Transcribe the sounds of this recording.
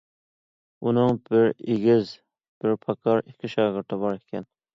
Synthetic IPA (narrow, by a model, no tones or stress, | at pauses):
unɨŋbɪɾeɡʲɪz | b̥ɪɾpʰɑkʰɑɾikʲʰɪʃɑːʁɪɾt̪ʰɨbɑɾekʲʰɛn